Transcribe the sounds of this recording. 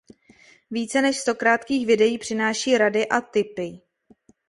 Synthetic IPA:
viːt͡sɛnɛʃst̪o̞kɾaːt̪kiːxvɪdɛjiːpr̥ɪnaːʃiːɾadɪʔat̪ɪpɪ

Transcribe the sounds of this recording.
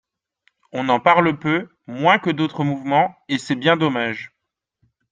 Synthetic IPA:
ɔ̃nɑ̃paʁləpø | mwɛ̃kəd̪ot̪χəmuvmɑ̃esɛbjɛ̃d̪ɔmaʒ

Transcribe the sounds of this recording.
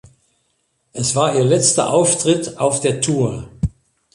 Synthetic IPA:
ʔɛsv̥aːɐiːɐlɛt͡stɐ̰ʔaʊftʁ̥ɪtʔaʊfd̥eːɐtʰuːɐ

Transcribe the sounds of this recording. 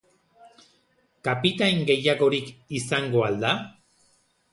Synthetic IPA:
kapit̪aŋɡe̞jaɣo̞ɾikisaŋɡo̞ald̪a

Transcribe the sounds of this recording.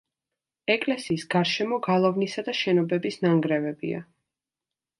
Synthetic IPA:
ɛkʼlɛsiːsɡ̥aɾʃɛmɔɡalˠɔvnisad̪aʃɛnɔbɛbisnaŋɡɾɛvɛbḭa̰

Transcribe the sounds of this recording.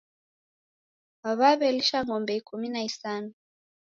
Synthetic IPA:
aβaβɛliʃaŋɔmbɛikuminaisanu

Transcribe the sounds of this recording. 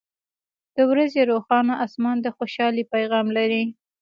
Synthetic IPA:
d̪̥əwɾazeɾoxɑnaʔasmɑnd̪əxoʃɑlipajɣɑmlaɾi

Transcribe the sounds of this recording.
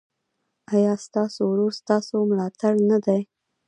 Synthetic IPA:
ajɑst̪ɑsowɾoɾst̪ɑsomlɑt̪aɽnad̪aj

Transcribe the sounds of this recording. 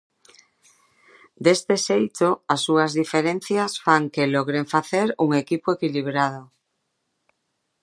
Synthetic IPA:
d̪est̪esejt̪oasːuazðifeɾen̟θjasfaŋkeloɣɾeɱfaθeɾuŋekipoekiliβ̞ɾað̞o

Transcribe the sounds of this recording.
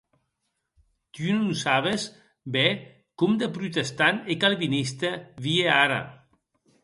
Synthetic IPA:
t̪ununsaβes | be | kumd̪epɾut̪est̪anekalβinist̪eβieaɾa̰

